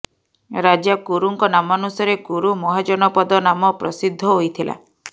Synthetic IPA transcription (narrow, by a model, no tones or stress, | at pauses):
ɾad͡ʒakuɾuŋkɔnamɔnusaɾekuɾumɔɦad͡ʒɔnɔpɔd̪ɔnamɔpɾɔsid̪ʱːɔɦojt̪ʰila̰